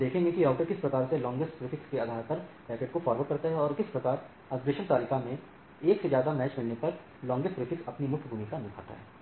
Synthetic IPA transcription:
d̪eːkʰẽŋɡẽkiaːʊʈəɾkɪspɾɐkaːɾselɔ̃ːŋɡɪsʈpɾɪfɪkskeaːd̪ʱaːɾpɐɾpɛːkeːʈ̚kofaːɾʋəʈ̚kɐɾt̪aɦɛɔːɾkɪspɾɐkaːɾ | asɡɪʃənt̪aːlɪkamẽ | eːksezjaːd̪amɛːt͡ʃmɪlnepɐɾ | lɔ̃ːŋɡɪsʈɾɪfɪksɐpnimʊkʰːbunikanɪkʰa̰ːt̪a̰ɦɛ̰ː

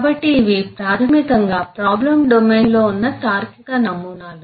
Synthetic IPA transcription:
bɐʈːiːʋipɾaːt̪ʰɐmikɐŋɡaːpɾaːblɐmɖomeːnlo̞ːunːɐʈaːɾkikɐnɐmːunaːlu

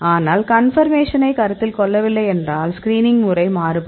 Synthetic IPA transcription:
aːnaːlkɐnfɐɾmeːʂɐnɐɪkɐɾɐt̪ːɪlkɔɭːɐʋɪlːɐɪɛndraːlskɾiːnɪŋmɯrɐɪmaːɾɯpː

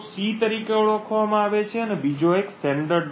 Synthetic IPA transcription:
sit̪əɾikeuɭɔkʰʋamãaʋet͡ʃʰeənebid͡ʒoeksʈɛɳɖəɾ

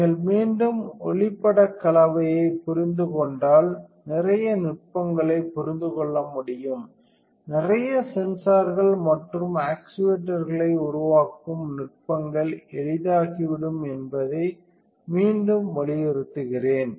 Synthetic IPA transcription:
ŋɐɭmiːnɖɯmɔɭɪpːɐɽɐkːɐɭɐʋɐjɐɪpʊɾɪnd̪ɯkɔɳɖaːlnɪrɐjɐnɪʈ̚pɐŋɡɐɭɐɪpːɔɾɪnd̪ɯkɔɭːɐmʊɽɪjɯm | nɪrɐjɐsɛnsaːɾɣɐɭmɐʈrɯmaːksɪʋeʈːɐɾɣɐɭɐɪʊɾʊʋaːkːɯmnʊʈ̚pɐŋɡɐɭɛɻɪðaːɣiʋɪɽɯmɛnbɐðɐɪ | miːnɖɯmʋɐɭɪjɛɾɯt̪ːɯɣɪreːn

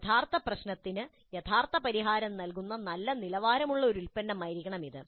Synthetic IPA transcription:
t̪ʰaːrt̪ɐprɐɕnɐt̪ːinɨ | jet̪ʰaːrt̪ɐpɐɾiɦaːɾɐmnɐlkunːɐnɐlːɐnilɐʋaːɾɐmuɭːɐo̞ɾulpɐnːɐmːɐjɾikʲːɐɳɐmiðɨ

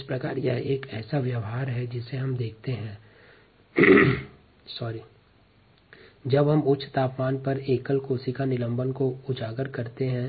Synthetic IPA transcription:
ɪspɾɐka̰ːɾjeeːkɛ̰ːsaʋjɐʋɦaːɾɦɛd͡ʒɪseɦɐmd̪eːk̚ʰt̪eɦɛ̃ː | sɔːɾi | d͡ʒɐbɦɐmʊtːʃʰt̪aːpmaːnpɐɾeːkəlkoːsikanɪlə̃mbənkoʊd͡ʒaːɡəɾkɐɾt̪eɦɛ̃ː

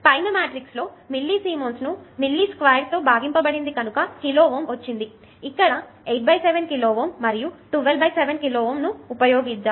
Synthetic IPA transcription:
pɐjnɐmaːʈɾikslo̞ːmilːisiːmoːnsnumilːiːskʋɐːjɾt̪o̞ːbʱaːɡimpɐbɐɽind̪ikɐnukɐkiloːʋoːmʋɐt͡ʃːind̪i | ikːɐɽɐ | ejʈ̚bɐjseʋenkiloːʋoːmːɐɾijuʈuːʋelbʱɐjseʋenkiloːʋoːmnuːpɐjoːɡid͡ʒa

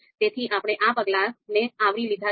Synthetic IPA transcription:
t̪et̪ʰiʔapɽ̃eʔapəɡlaɾneaʋɽilid̪ʱa

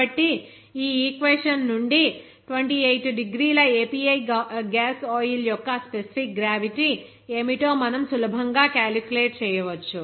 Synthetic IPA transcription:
ɐʈːi | iːiːkʋeʂɐnːuɳɖi | ʈʋeɳʈiːejʈɖiɡɾiːlɐeːpiːɐjɡaːsɔːjiljɔkːɐspesi̥pʰik̚ɡɾaːʋiʈi | e̞ːmit̪o̞ːmɐnɐmsulɐbʱɐŋɡaːkaːlikjuleːʈ̚t͡ʃɛːjɐʋɐt͡ʃːu

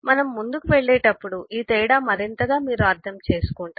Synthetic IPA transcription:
mɐnɐmːund̪ukuʋɛɭːeːʈɐpːuɽuʔiːt̪ɛːɽaːmɐɾint̪ɐɡaːmiːɾuɐɾt̪ʰɐmt͡ʃe̞ːsu̥kuɳʈa

